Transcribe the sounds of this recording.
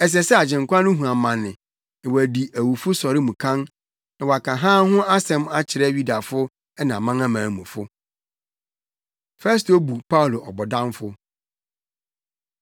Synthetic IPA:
ɛ˨s̬ɛ˨sɛ˦a˨d͡ʑɪ̃˨ŋ˨kʷʰã˦nʊ̃˦ɦũ˨ã˨mã˨nːɪ̃˨ | nɪ̃˨wɔ˨æ˨di˨ʔæ˨wu˨fʊ˦sɔ˨ɾɪ˦mũ˨kʰã˦n | nã˨wɔ˨a˨kʰã˨ɦãː˦ɦʊ̃˦a˦sɛ̃˦ma˦t͡ɕʰɪ˨ɾɛ˦ɥi˦da˨fʊ˦ | ɛ˦nã˨mã˦ŋa˦mãː˨mũ˨fʊ˦ | fɛ˦s̬to˦bu˨pʰa˦u˨lo˨ʔɔ˨bɔ˨dã˦mfʊ˦

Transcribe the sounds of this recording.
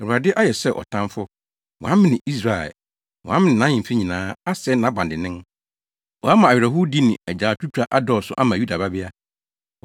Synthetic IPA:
ɛ˨u˨a˨dɪ˦ʔa˦jɛ˨sɛ˦˨ʔɔ̰˨tʰã˦mfʊ˦ | wɔ̰̃˨ã˦mɪ̃˦nɪ̃˨i˦s̬ɾa˨ɛ̰˨ | wɔ̰̃˨a˦mɪ̃˦nɪ̃˨nã˦ɲɪ̃˨m˨fi˦ɲĩ˨nãː˨˦a˦sɛ˦nã˨˦bã˨ndɪ˨nɪ̃˦n | ɔ˨a˦mã˨a˨ɥᶣɾɛ˨ɦʊ˦di˦nɪ̃˨æ˨d͡ʑaː˨tʰu˦tʰᶣɾa˦ʔa˦dɔ˨sʊ̰˦ʔa˦mã˨ju˦da˨ba˦bɪ˦a˦

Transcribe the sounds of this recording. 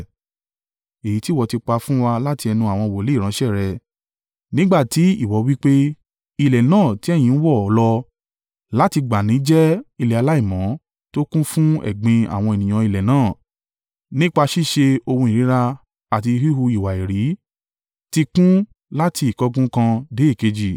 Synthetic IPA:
e˨ji˨˦ti˦wɔ˨ti˧k͡pa˧fũ˦wa˧la˦ti˧ɛ˧nũ˧a˨w̃ɔ̃˧˨wɔ˨le˦˨ɾ̃ã˨˦ʃɛ˦˨ɾɛ˨ | nĩ˦ɡ͡ba˦˨ti˨˦i˦˨wɔ˨˦wi˦k͡pe˦ | i˧˨lɛ˨nãː˦˨ti˨˦ɛ˦˨j̃ĩ˧˦n̩˦wɔ˦˨ɔ˨˦lɔ˧ | la˦ti˧ɡ͡ba˨nĩ˨˦d͡ʒɛ˦i˧lɛ˨a˧la˦i˦˨mɔ̃˨˦ | to˦kũ˦fũ˦ɛ̰˦˨ɡ͡bẽ˧a̰˨w̃ɔ̃˧e˨nĩ˨ã˧i˨lɛ˨nãː˦˨ | nĩ˦k͡pa˧ʃi˦˨ʃe˧o˧hũ˧i˨ɾĩ˨˦ɾa˧ | a˨ti˧hi˦ɦu˧i˨wa˨e˨ɾi˨˦ | ti˧kũ˦ | la˦ti˧i˨kɔ˦ɡũ˦kã˧de˨˦e˦˨ke˧d͡ʒi˨

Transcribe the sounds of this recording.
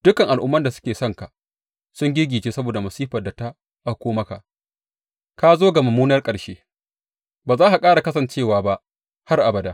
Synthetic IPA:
d̥ʊ˦kɐ˨ŋʔa˨lʔʊ˦mːɐ˦nda˨sʊ̥˦kʲeː˨sɔ˦˨ŋka˨ʔ | sʊ˦ŋɡʲɪ˦ɡʲiː˨t͡ʃeː˦sɐ˦boː˨da˨mɐ˨siː˦ɸɐ˨da˨ta˦ | ʔa˦˨kʷoː˦mɐ˦ka˨ʔ | kaː˦zoː˦ɡa˨mɐ˨mːuː˦nɐ˦rkʼɐ˨ɽʃeː˦ | baː˨zaː˦ha˨kʼaː˦ɽa˨kɐ˦sɐ˨nt͡ʃeː˦˨waː˨ba˦ʔ | ha˦rʔa˨bɐ˨daː˦

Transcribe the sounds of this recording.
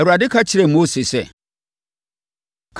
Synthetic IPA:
ɛ˨a˨dɪ˦kʰa˦t͡ɕʰɪ˨ɾɛ˨mo˦se˨sɛ˨ | kʰ

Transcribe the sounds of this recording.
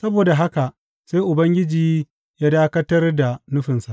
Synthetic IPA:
sɐ˦boː˨da˨ɦa˦ka˨ʔ | seː˦ʔʊ˨bɐ˦ŋɡʲɪ˦d͡ʒiː˨ | jaː˦daː˦kɐ˦tɐ˦rda˨nʊ˦ɸɪ˨nsa˨

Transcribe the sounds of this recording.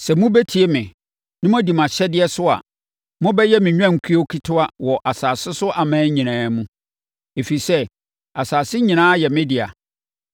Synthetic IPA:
sɛ˨mʊ̃˦be˦tʰi˨e˦mɪ̃˨ | nɪ̃˦m˦ã˦di˨m˨ã˨ɕɛ˦dɪ˦ɛ˦sʊ˦a̰˨ | mʊ̃˦bɛ˦jɛ˦mɪ̃˨ɲᶣ˦ã˦˨ŋ̩˨kʰi˦o˦kʰi˦tʰʊ˦a˦wɔ˨ʔa˨saː˨sɪ˦sʊ˦ʔa˨mãː˦ɲĩ˨nãː˦mũ˦ | e˨fi˨i˨sɛ˦ | a˨saː˨sɪ˦ɲĩ˨nãː˦jɛ˨mɪ̃˦dɪ˨a̰˨

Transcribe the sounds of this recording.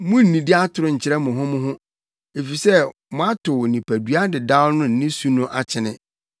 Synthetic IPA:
mʊ̃˦n̩˨nĩ˨dɪ˦a˦tʰʊ˨ɾʊ˦ɲ̩˨t͡ɕʰɪ˨˦ɾɛ˦mʊ̃˨ɦʊ̃˦mʊ̃˦ɦʊ̃˦ | e˨fi˨sɛ˦ | mʊ̃˨a˦tʰʊ˨nĩ˨pʰæ˨dɥa˦dɪ˨da˦ʊ˦nʊ̃˦nɪ̃˦su˦nʊ̃˦ʔa˨t͡ɕʰɪ˨nɪ̃˦

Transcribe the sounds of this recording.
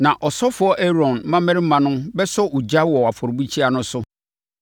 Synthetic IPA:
nã˨ʔɔ˨sɔ˦fʊ˨˦ɔ˦ʔe˦ɾɔ̃˨nm˦mã˦mɛ̃˦ɾɪ˦m̩˦mã˨nʊ̃˦mbɛ˦sɔ˦ʔu˨d͡ʑa˦wɔ˨a˨fɔ˨ɾbu˦t͡ɕʰi˦a˨nʊ̃˦sʊ˦

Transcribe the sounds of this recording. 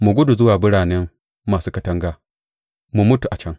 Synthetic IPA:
mu˨ɡʷʊ˦du˨zʊ˦waː˨bʊ˦ɽaː˨nɛ˦mː | aː˨suː˦kɐ˨tɐ˦ŋɡaː˦ | mu˨mʊ˦tu˨ʔa˨t͡ʃɐ˦ŋ

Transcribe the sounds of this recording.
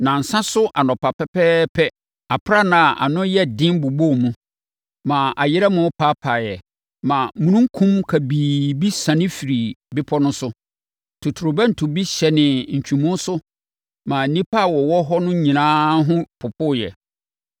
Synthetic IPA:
nã˨n̩˨sã˦sʊ˦ʔa˨nɔ̃˨pʰa˨pʰɛ˦pʰɛː˦pʰɛ˦ | a˨pʰɾa˦˨nã˨ʔa̰˨nʊ̃˦jɛ˦dɪ̃˦mbu˨bo˦˨mũ˦ | mã˨a˨jɪ˦ɾɛ˦mʊ̃˦pʰa˦pʰa˨jɛ˨ | mã˨˦mũ˨nũ˦ŋ˦kʰũ˦mkʰa˨biː˨bi˦sã˨nɪ̃˦fi˨ɾi˨bɪ˦pʰɔ˦nʊ̃˦sʊ˦ | tʰu˨tʰu˨ɾʊ˨bɛ˦n̩˨tʰʊ˨bi˦ɕɛ˨nɪ̃˨ɲ̩˨t͡ɕᶣʰũ˨mũ˦n˦sʊ˦ | mã˨n̩˨nĩ˦pʰa˦˨wɔ˨wɔ˦ɦɔ˦nʊ̃˦ɲĩ˨nãː˦ɦʊ̃˦pʰʊ˨pʰʊ˦˨jɛ̰˨

